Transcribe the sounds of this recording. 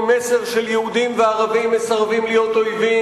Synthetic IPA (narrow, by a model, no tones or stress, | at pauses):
meseʁʃeljehud̪imveaʁavimːesaʁvimlijo̞t̪ojvi